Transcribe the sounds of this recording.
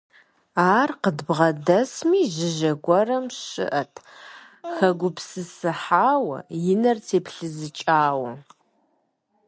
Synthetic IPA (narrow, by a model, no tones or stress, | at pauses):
aːrqədbʁɐdɐsmiːʒɪʒɐɡʷɔrɐmɕɨ̰ʔɐtʰ | xɐɡʷʊpʰsɨsɨħaːwɐ̰jɪnɐrtʰeːpʰɬɨzɨt͡ʃʼaːwɐ